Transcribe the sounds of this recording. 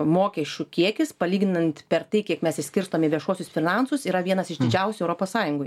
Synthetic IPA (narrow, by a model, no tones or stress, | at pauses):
moːkʲɛʃʲt͡ʃʲʊkʲiɛkʲɪspɐlʲiːɡʲnɪnɐnt̪pʲɛɾt̪ɐɪkʲiɛkmʲɛsɪsʲkʲɪɾst̪oːmʲɪʋʲiɛʃuɔsʲʊsfʲɪnɐnsʊsiːɾɐʋʲiɛnɐsɪʃd̪ʲɪd͡ʒʲɛʊsʲʊɛʊɾoːpoːssɑːjʊŋɡʊ